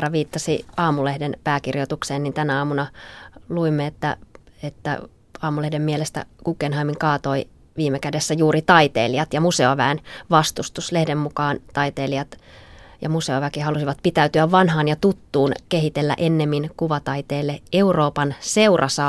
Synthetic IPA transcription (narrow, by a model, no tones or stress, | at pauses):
rɑʋiːt̪ːɑsḭɑːmulehdenpæːkirjot̪ukseːnnint̪ænæɑːmunɑluimːeet̪ːæ̰et̪ːæ̰ | ɑːmulehdemːielest̪æ̰kukːenɦɑimiŋkɑːt̪oi | ʋiːmːekædesːæjuːɾit̪ɑit̪ḛːliɑt̪jɑmuseoʋæːnʋɑst̪ust̪uslehdemmukɑːnt̪ɑit̪eːliɑt̪jɑmuseoʋækihɑlusiʋɑt̪̚pit̪æyt̪yæʋːɑnɦɑːnjɑt̪ut̪ːuːnkeɦit̪elːæ̰ʔenːemːinkuʋɑt̪ɑit̪eːlːeeuroːpɑnseurʔɑsɑ